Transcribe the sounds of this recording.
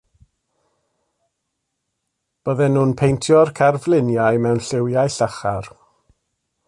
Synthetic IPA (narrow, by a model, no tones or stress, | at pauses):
b̥əðɛnuːnpʰejntʰjɔrkʰarvlˠɪnjajmɛwnɬɪwjajɬaχar